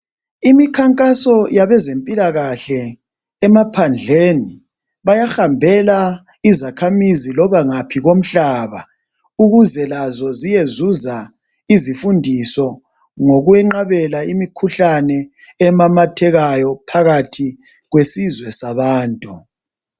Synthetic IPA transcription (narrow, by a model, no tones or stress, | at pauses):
imikʰaŋkʼasɔjaβɛzempʼilaɣaɬɛː | mapʰand͡ɮʱeːni | βajaxambʱɛla | izakʰamizilɔβaŋapʰiɣom̩ɬaːβa | uɣuzɛlazɔzijezuza | izifundʱisɔ | ŋoɣuɛŋ͡ǃaβɛlaimikʰuɬanɛː | mamatʰɛɣajɔpʰaɣatʰi | ɣwesizwɛsaβaːntʼu